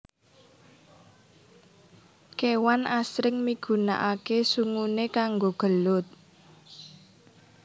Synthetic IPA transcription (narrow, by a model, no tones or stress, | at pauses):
kewanasɾɪŋmiɡ̥ṳna̰ʔakesuŋunekaŋɡoɡ̥ə̤lʊt̪̚